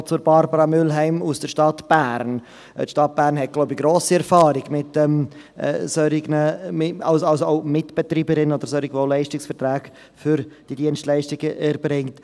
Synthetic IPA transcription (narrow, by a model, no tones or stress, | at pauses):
t͡sʊɾbɑɾbəɾɑmʏlɦɛɪmusd̥əʃtɑtb̥æːɾn | tʃtɑt̚b̥æːɾnɦɛt̚ɡloʊbəɡɾoːsiɛɾfɑːɾɪɡmɪtɛm̰ː | søɾɪɡnəɪɑlsɑlsooʊmɪtb̥ɛtɾiːbəɾɪnəod̥əɾsœɾɪɡʋolɛɪʃtɪksfɛɾtɾæːɡ̥ | fʏɾd̥idiənstlɛɪʃtɪɡəʔɛɾbɾɪŋt